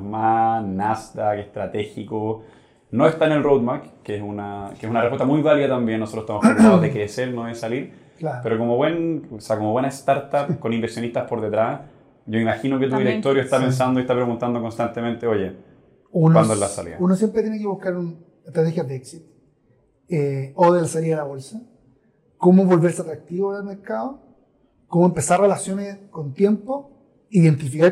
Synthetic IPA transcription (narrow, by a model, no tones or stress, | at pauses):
manast̪akest̪ɾat̪exiko | noe̞st̪anelrowd̪makkesunakeesunarepwet̪amujβaliðat̪ambjenːosot̪oset̪amoppɾeɣaðoðekɾeseɾnoðesaliɾ | lapeɾoko̞moβwe̞noseako̞moβwenest̪aɾt̪apkonimbeɾsjo̞nist̪aspo̞ɾðet̪ɾas | ɟ͡ʝo̞imaxinoket̪uðiɾekt̪o̞ɾjoest̪apens̬and̪oieht̪apɾeɣunt̪and̪okonst̪ant̪ement̪eo̞ʝe | unowand̪oelasa̰lḭaunosjempɾet̪jenekeβuhkaɾun | est̪ɾat̪exjaðeeksit̪ | eoðelasalialaβo̞lsa | komoβo̞lβe̞ɾseat̪ɾak̚t̪iβoelmeɾkaðo | komoempesarrelasjo̞neskont̪je̞mpo | iðe̞nt̪̬ifika